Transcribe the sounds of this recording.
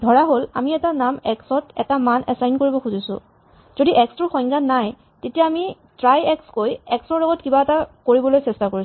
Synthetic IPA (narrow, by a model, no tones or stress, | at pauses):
dʱɔɹaɦola̰miɛtanamɛksɔtɛtamanʔɛsajnkoɹibɔxuzisʊ̰̃ | z̥odiʔɛksɹɔxɔŋɡanːaj | tetijaːmi | tɹajɛkskojɛksɔɹlɔɡɔtkibaɛtakoɹibɔlojsɛstakoɹis